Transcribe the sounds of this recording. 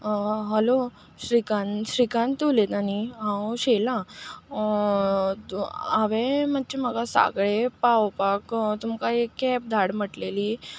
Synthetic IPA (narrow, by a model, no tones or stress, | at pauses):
ɦəlo | ɕɾikanɕɾikant̪ulet̪aniɦãwɕela | aʋemət̪̚ːt͡ɕim̤əɡasa̰ɡɭepawpakt̪umkaekːɛp̚d̪ʱaɽməʈleliː